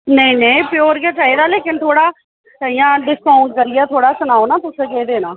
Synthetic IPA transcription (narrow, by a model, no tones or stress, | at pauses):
nəĩːnəĩpɪjoːɾɡaːt͡ʃaːɦiːd̪aːleːkɪnt̪ʰoːɽaː | səijãːɖɪskaːʊɳɖ̚kəɾɪjaːt̪ʰoːɽaːsʊnaːonaːt̪ʊsẽːkeːd̪eːnaː